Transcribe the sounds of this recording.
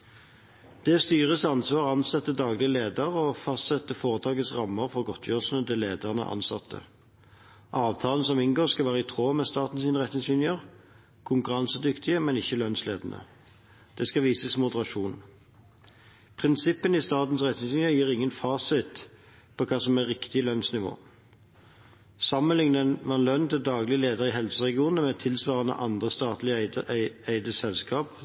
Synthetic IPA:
d̪̥ɛst̪yːʁəsɑnsʋɑːʁɑnsɛt̪ːəd̪ɑːɡlɪəleːd̪əʁɔfɑst̪sɛt̪ːəfoːʁət̪ʰɑːɡət̪sʁɑmːəʁfɔʁɡɔt̪ʰjøːʁʂnəd̪ɛleːd̪əʁnə̰ʔɑ̰nsɑt̪ʰːə̰ | ʔɑːʋt̪ʰɑːln̩sɔmɪnɡoːʁskɑlʋæːʁəɪt̪ʰʁoːmɛst̪ɑːt̪n̩siːnəʁɛt̪nɪŋsyːnɪəʁ | kʰʊŋkʊʁɑnsəd̪ʏkt̪ʰɪəmɛnɪçːəlœnsleːd̪ənʔə̰ | d̪̥ɛskɑʋiːsəsmʊd̪əʁɑʂuːn | pʰʁɪnsɪpːənɪst̪ɑːt̪n̩sʁɛt̪nɪŋsyːnɪəjiːʁɪŋːənfɑːsɪt̪ | pʰɔkʰɑːsɔmæʁɪkt̪ɪlœnsnɪʋo̰ː | sɑmːənlɪŋnənʋɑɛnlœnːt̪ʰɪld̪ɑːɡlɪəleːd̪əʁɪɦɛlsəʁɛɡɪuːnn̩əmɛt̪ʰɪlsʋɑːʁənə̰ʔɑnd̪ʁəst̪ɑːt̪lɪ | æɪd̪əsɛlskɑːp

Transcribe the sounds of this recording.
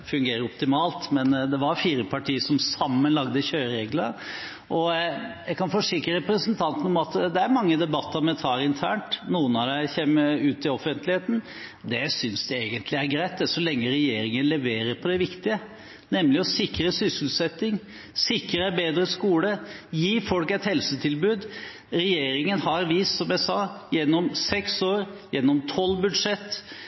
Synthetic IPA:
fʉŋɡeːɾəɾɔpt̪ɪmɑːlt̪mɛnd̪ɛʋɑɾfiːɾəpʰɑʈiːsɔmsɑmːənlɑɡd̪əçøːɾeːɡləɾ | ʔɔjæɪkɑnfɔʂɪkɾəɾɛpɾəsənt̪ʰɑnt̪n̩ɔmɑt̪d̪ɛæɾmɑŋːəd̪ɛbɑt̪ːəɾɔmɛt̪ʰɑːɾɪnt̪ʰæːɳʈnuːənɑd̪ɛçeːməʉːt̪ɪɔfənt̪lɪheːt̪n̩ | d̪ɛsʏnsd̪ɛeːɡənt̪ʰlɪæɾɡɾæɪt̪̚d̪ɛsɔlɛŋːəɾɛjeːɾɪŋənlɛʋeːɾəɾpʰɔd̪ɛʋɪkt̪ɪə | nɛmlɪɔsɪkɾəsʏsl̩sɛt̪ːɪŋ | sɪkɾəɛbeːd̪ɾəskuːləjiːfɔlkɛt̪hɛlsət̪ʰɪlbʉːd̪ | ɾɛjeːɾɪŋənhɑɾʋiːssɔmjæɪsɑːjɛnːɔmsɛksoːɾjɛnːɔmt̪ʰɔlːbʉd̪ʂɛt̪ː

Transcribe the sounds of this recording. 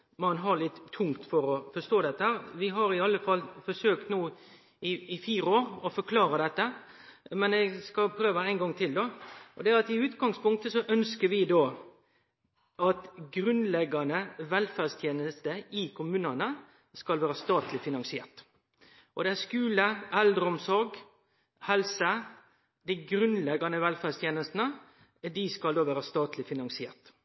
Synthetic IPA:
mɑnɦɑlɪt̪ʰːʊŋt̪fɔɾɔfɔst̪oːd̪ɛt̪ːəhæːʁʋɪɦɑɾɪɑlːəfɑlːfɔsøːkt̪nuː | ɪɪfiːɾəoːɾɔfɔɾkʰlɑːɾəd̪ɛt̪ːə | mɛnɛɡskɑlpʰɾøːʋəæɪnɡɑŋːt̪ʰɪld̪oʔɔd̪ɛæɑt̪ɪʉːt̪ɡɑŋspʊŋk̚t̪əsɔʔœnskəɾʋɪd̪oː | ʔɑt̪ɡɾʉnlɛɡɑnəʋɛlfæːʁst̪ʰjeːnəst̪əɪkʰʊmʉːnɑnə | skɑlʋæːɾəst̪ɑːt̪lɪfɪnɑŋsɪḛːʁʈ̪ | ʔɔd̪ɛæskʉːləʔæld̪ɾəɔmsɔɾɡ | hɛlsə | d̪æɪɡɾʉnlɛɡɑnəʋɛlfæːst̪ʰjeːnəst̪nə | d̪ɪskɑld̪oːʋæːɾəst̪ɑːt̪lɪfɪnɑŋsɪḛːʁʈ̪

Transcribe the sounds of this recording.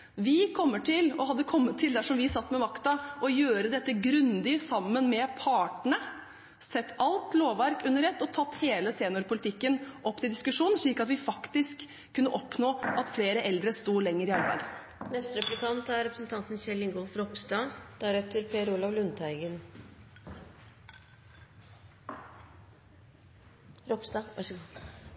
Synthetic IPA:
ʋɪkʰɔmːəʈʰɪlɔhɑd̪ːəkʰɔmːət̪ʰːɪld̪æʂɔmʋɪsɑt̪ːmɛmɑkt̪ɑʔɔjøːɾəd̪ɛt̪ːəɡɾʉnd̪ɪəsɑmːənmɛpʰɑːʈɳə | sɛt̪ːɑlt̪loːʋʋæɾkʉnːəɾɛt̪ːɔt̪ʰɑt̪ːheːləseːnʊɾpʊlɪt̪ʰɪkːənʔɔpːt̪ɪld̪ɪskʉʂuːnənʂɭiːkɑt̪ʋɪfɑkt̪ɪskʰː | ʉnːəʔɔpnoːʔɑt̪fleːɾəʔɛld̪ɾəst̪uːlɛŋːəɾɪɑɾbæ̰ɪd̪ | nɛst̪ɾɛplɪkʰɑnt̪æɾɾɛpɾəsnt̪ɑnt̪n̩çɛlɪŋɡɔlfɾɔpsd̪ɑːd̪̥ɑɾɛt̪ʰːəɾpʰeːɾulɑʋlʉnt̪ʰæɪɡən | ɾɔpsd̪ɑʋɑʂɡ

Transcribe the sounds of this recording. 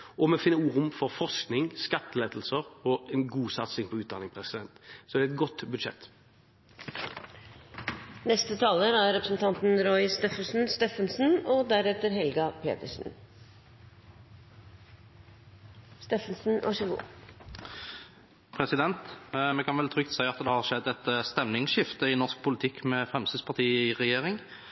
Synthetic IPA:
ɔmɛfɪnəuːʁʊmfɔʁfɔʁsknɪŋskɑt̪ːəleːd̪l̩səʁɔɛnɡuːsɑt̪sɪŋpʰɔʉːt̪d̪ɑnɪŋpʰʁɛsɪd̪ɛnt̪sɔd̪ɛɛt̪̚ɡɔt̪bʉd̪ʃɛ̰t̪ː | nɛst̪ət̪ʰɑːləɾæɾɾɛpɾə̥sn̩t̪ʰɑnt̪n̩ɾɔʏst̪eːfəʂn̩st̪eːfənsn̩ɔd̪æɾɛt̪əɾɦɛlɡɑpʰḛːt̪əʂn̩ | st̪eːfənsn̩ʋʔɑ̰ʂəɡ̪ṵː | pʰɾɛsɪd̪ɛnt̪mɛkɑnʋɛlt̪ʰʁʏk̚t̪sæɪɑt̪d̪ɛhɑʁʃɛd̪ːɛt̪st̪ɛmnɪŋʃɪft̪əɪnɔʁsk̚pʰʊlɪt̪ʰɪkːmɛfʁɛmst̪əd̪spʰɑʁt̪ʰiːɪʁɛjeːʁɪŋ

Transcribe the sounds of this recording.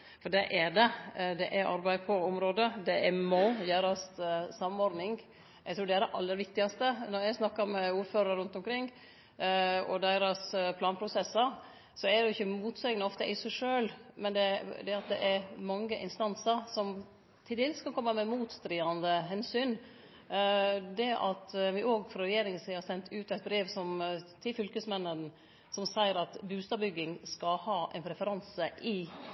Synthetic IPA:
fɔɖɛʔæɖɛd̪ɛʔæʔɑ̰ɾbæɪpʰɔʊmɾoːd̪əd̪ɛɛmɔjøːɾɑssɑmːɔɾd̪nɪŋ | ʔɛt̪ʰɾuːɖ̪ɛæɖɛʔɑlːəɾʋɪk̚t̪ɪɡɑst̪ənɔɾjæɪsnɑkːɑɾmɛuːɾføːɾɑɾʉnt̪ɔmkʰɾɪŋː | ɔ̰d̪æɪɾɑspʰlɑːnpʰɾʊsɛsːəɾ | sɔɛdɛʊɪçːəmuːt̪sɛɡnəɔft̪əʔɪsæɪʂøːlmɛnd̪ɛd̪ɛɑt̪̚d̪ɛ̰ʔæɾmɑŋːəʔɪnst̪ɑnsəɾsɔm | t̪ʰɪlt̪ɪlst̪kʰɑlkʰɔmːəmɛmuːt̪st̪ɾiːɑnd̪əɦɛnsyːn | d̪ɛʔɑt̪ʋɪʔoːɡfɾɔɾɛjeːɾɪŋənsiːhɑɾsɛnt̪ʰʉːt̪æɪt̪̚bɾeːʋsɔmt̪ʰɪfʏlkəsmɛnːən | sɔmsæɪəɾɑt̪bʉːst̪ɑbʏɡːɪŋskɑhɑːʔæ̰ɪnpʰɾɛfəɾɑnsəʔɪ

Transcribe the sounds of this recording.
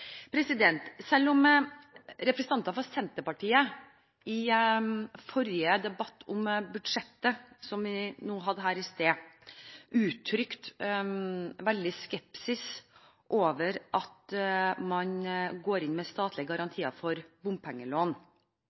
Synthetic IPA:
pʰɾɛsɪd̪ɛnt̪sɛlːɔm | ɾɛpɾsənɑnt̪ɑfɔsɛnt̪əpɑʈʰiːə | ʔɪ | fɔɾjəd̪ɛbɑt̪ːʰʊmbʉd̪ʂɛt̪ːəsɔmʋɪnuːɦɑd̪ːəɦæːɾɪst̪eː | ʔʉːt̪ʰːɾʏkt̪ | ʋɛld̪ɪskɛpsɪs | ʔoːʋəɾʔɑt̪mɑnɡoːɾɪnmɛst̪ɑːt̪ʰlɪəɡɑɾɑnt̪ʰiːɑfɔɾbʊmpʰɛŋːəloːn

